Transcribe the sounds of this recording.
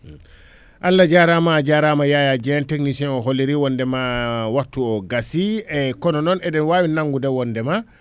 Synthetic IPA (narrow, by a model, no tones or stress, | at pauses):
ʔalːad͡ʒaɾamad͡ʒaɾamajaːjad͡ʒɛnteknisiɔnɔɦolːiɾiwɔndɛmawaɾtːuɔɡasiɛkɔnɔnɔnɛdɛnwaːwinaŋɡudɛwɔndɛma